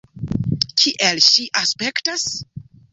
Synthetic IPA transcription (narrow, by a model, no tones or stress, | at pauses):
kʰiʔelʃiʔaspektas